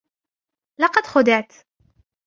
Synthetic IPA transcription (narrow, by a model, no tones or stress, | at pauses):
lɑqɑd̪xʊd̪ɪʕt̪